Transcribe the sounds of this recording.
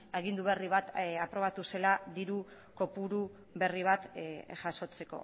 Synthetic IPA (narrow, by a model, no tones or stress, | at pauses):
eɣ̞ind̪uβ̞e̞riβat̪apɾo̞β̞at̪use̞laðiɾu | ko̞puɾu | βe̞riβ̞at̪ʝaso̞t͡se̞ko̞̰